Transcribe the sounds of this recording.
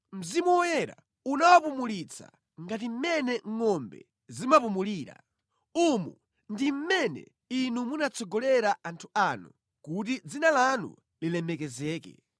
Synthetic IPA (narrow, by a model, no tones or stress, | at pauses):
m̩zimuwɔjɛɾa̰ | unawapumulit͡sʰa̰ | ŋɡat̬im̩mɛnɛŋŋɔmbɛ̰ | zimapumuliːɾa̰ | umu | ndim̩mɛnɛ̰ | inumunat͡sʰɔɡɔlɛɾaʔantʰuanu | kut̬id͡zinalanṵ | lilɛmɛkɛzɛːkɛ̰